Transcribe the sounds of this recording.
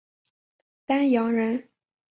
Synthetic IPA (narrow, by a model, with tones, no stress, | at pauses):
t̪a˥njɑ˧˥ŋɻə˧˥n